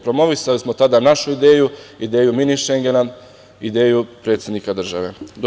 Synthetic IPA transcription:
pɾo̞mo̞ʋisalismo̞t̪ad̪anaʃuid̪e̞ːjuid̪e̞ːjuminiʃe̞ŋɡena | id̪e̞ːjupɾet̪sje̞d̪nikad̪r̩ʒa̰ʋe̞d̪o

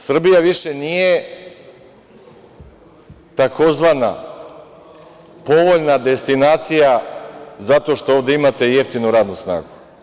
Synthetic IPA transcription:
sr̩bijaʋiʃenije̞ | t̪ako̞zʋana̰ | po̞ʋo̞ʎnad̪e̞st̪inaːt̪sijazat̪o̞ʃt̪o̞oːʋd̪e̞imat̪e̞je̞ft̪inuɾaːd̪nusna̰ːɡu

